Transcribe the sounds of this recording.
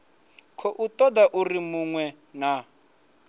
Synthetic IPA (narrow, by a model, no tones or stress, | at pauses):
kʰɔʔut̪ɔd̪aʔurimuŋwɛ | na